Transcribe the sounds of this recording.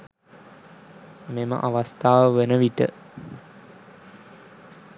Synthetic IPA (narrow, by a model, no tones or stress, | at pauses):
memə̰ʔaʋast̪aːʋəʋənəʋiʈə̰